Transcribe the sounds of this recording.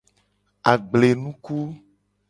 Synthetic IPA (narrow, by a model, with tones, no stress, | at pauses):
a˨ɡ͡ble˨nũ˦ku˦